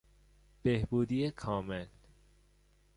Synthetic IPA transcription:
b̥ehbuːd̪ijekʰɒːmel

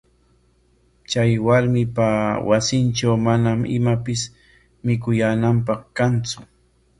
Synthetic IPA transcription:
t͡ʃajwaɾmɪpawasɪnt͡ʃawmanamɪ̰mapɪs | mɪkʊjaːnampɑχkant͡sʊ

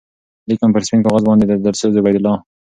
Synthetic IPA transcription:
likampəɾɪspinkɑɣɑzbɑnd̪ed̪əd̪aɾsozʊbajd̪ʊlɑ

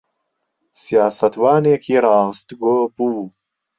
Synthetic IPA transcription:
sijaːsɐt̪waːneːkʰiːɾɑːʁəst̪ɡoːbu

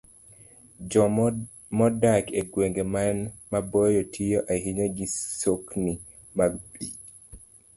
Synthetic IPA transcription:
d͡ʒɔ | mɔdakeɡweŋɡemanmabɔjɔtʰijoʔaɦiɲoɡisokni | maɡbḭ

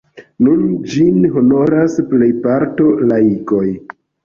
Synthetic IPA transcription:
nund͡ʒinɦo̞no̞ɾasple̞jpaɾto̞laiko̞j

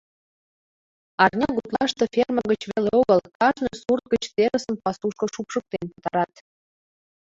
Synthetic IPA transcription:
ɑrnʲɑɣut̪lˠɑʃt̪ə̆fʲerməɣət͡ɕβeleoɣəlkɑʒnojsurt̪̚ɡət͡ɕt̪eɾəsə̆mpɑsuʃkɤ̆ʃupʃə̆k̚t̪enpət̪ɑɾɑt̪

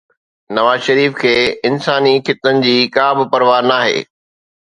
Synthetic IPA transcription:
nɐʋaːzʃɐɾiːfkʰeːɪnsaːnixɪt̪ːənɪ̆d͡ʑiːkaːbɪpɐɾʋaːɾnaːɦḛː

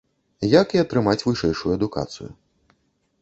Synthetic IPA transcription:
jɐkiɐt̪ɾɨmat͡sʲvɨʂɛjʂujuɐd̪uka̰t̪sɨ̰jṵ

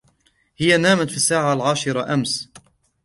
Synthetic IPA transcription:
hɪjanaːmat̪fiːsːaːʕalʕaːʃɪɾaʔams

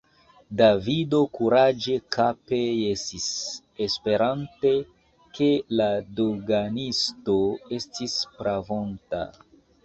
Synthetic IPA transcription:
davido̞kuɾad͡ʒekʰape̞jesis | espe̞ɾante̞ | ke̞ladoɡanisto̞e̞stispɾavo̞nta̰

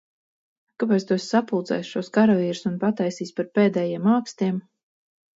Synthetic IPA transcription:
kapɛjt̪st̪uɛsʲsapulˠd̪zɛ̰jsʃuɔskaɾɔviːɾsunpat̪ajsiːsʲpaɾpeːd̪ɛːjiɛmaːkst̪iɛm

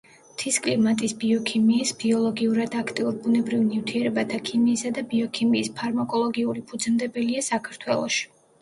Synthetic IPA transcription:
t̪ʰiskʼlimat̪ʼisbiɔkʰimiːsbiɔlˠɔɡiuɾad̪akʰt̪ʼiuɾbunɛbɾivnivt̪ʰiɛɾɛbat̪ʰakʰimiːsad̪abiɔkʰimiːspʰaɾmakʼɔlˠɔɡiuɾlipʰud̪zmd̪ɛbɛliasakʰaɾt̪ʰwɛlˠɔ̰ʃi̥

